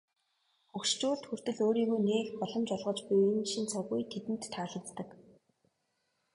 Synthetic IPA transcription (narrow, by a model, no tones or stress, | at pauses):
ɵkʃt͡ɕuːɮt̪xur̥t̪ɘ̆ɮoːɾiːɣujneːxpɔɮɞ̆mt͡ɕɔɮʁə̆t͡ɕpujenʃint͡sʰɔɣujt̪ʰet̪ɘ̆nt̪ʰːaːɮə̆kt̪ːə̆k